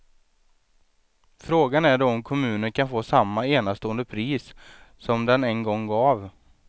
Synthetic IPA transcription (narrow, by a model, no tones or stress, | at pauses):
fɾoːɡanæɖɔɔmkʰɔmʉ̟ːnəɳkʰanfoːsamːaeːnast̪oːənd̪əpʰɾiːsːɔmd̪ɛnɛnɡɔŋːɡɑːv